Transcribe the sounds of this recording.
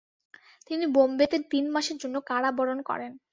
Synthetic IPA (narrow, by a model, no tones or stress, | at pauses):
t̪inibombet̪eɾt̪inmaʃeɾd͡ʑonːokaɽabɔɾonkɔ̰ɾen